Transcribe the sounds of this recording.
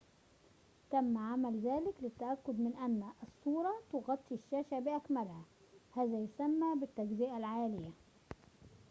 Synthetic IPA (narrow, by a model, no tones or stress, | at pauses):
t̪æmːʕamælzæːlɪklɪt̪ːæʔækːʊd̪mɪnʔænːʔsˤːuːɾˤɑt̪oɣɑt̪ˤːiʃːæːʃæbɪʔækmælhæ | hæːzæjʊsæmːæːbɪt̪ːæɡzɪʔælʕaːlɪjæ